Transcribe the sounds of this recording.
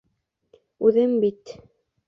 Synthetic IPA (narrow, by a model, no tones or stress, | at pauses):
ʉðɘmbit̪